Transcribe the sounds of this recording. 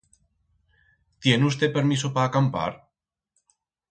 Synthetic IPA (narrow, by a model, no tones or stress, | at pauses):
t̪je̞nust̪e̞peɾmisopaːkampa̰ɾ